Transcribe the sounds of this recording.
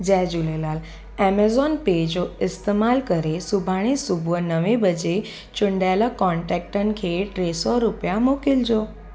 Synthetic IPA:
d͡ʒɛd͡ʒulelal | ɛmezɔnped͡ʒoɪst̪emalkəɾesubʱaɽ̃isubʱʋənəʋibəd͡ʒe | t͡ʃʊɳɖalakɔɳʈɛk̚ʈənkʰeʈɾesɔɾupjamokild͡ʒo

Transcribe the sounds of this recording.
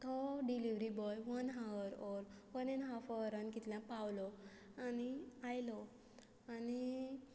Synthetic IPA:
t̪ɔɖiliʋɾibɔjʋənɦaɾɔɾʋənenɦafɔɾənkit̪ilãpawlɔ | aniajlɔ | ani

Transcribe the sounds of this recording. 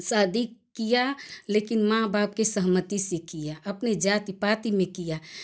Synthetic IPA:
saːd̪ʱikijalekinmãbaːp̚kesəɦmət̪isẽkijaʔəpned͡ʒat̪ipat̪imẽkija

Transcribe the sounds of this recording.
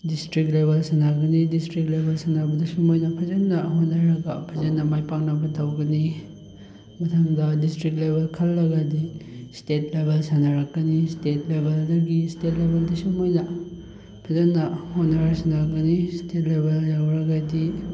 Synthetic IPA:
distɾik̚tlebelsanaɡɐnidistɾik̚lebʱelsanabɐdɐsumojnɐpʰɐzɐnːɐɦonːɐɾɐɡɐpʰɐzɐnːɐmajpaŋ̚nɐbɐtawɡɐni | mɐtʰaŋdɐdistɾiktlebʱelkʰɐlːɐɡɐdistet̚lebelsanɐɾɐkːɐnistet̚lebeldɐɡistetlebeldisumojnɐ | pʰɐzɐnːɐhonːɐɾaksanaɡɐnistet̚lebeljawɾɐɡadi

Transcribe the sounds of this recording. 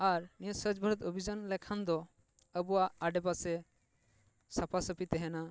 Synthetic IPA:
aɾnisəd͡ʒbʱəɾɔt̪obʱid͡ʒanlɛkʰand̪ɔ | əbuwaʔaɖɛbasɛ | sapʰasəpit̪ɛɦɛna

